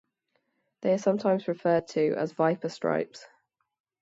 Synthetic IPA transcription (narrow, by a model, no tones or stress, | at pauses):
ðeɪəsʌ̃mtʰãɪ̃mzɹɪfɜːd̚tʰəʔə̰zvaɪpʰəstɹ̥a̰ɪps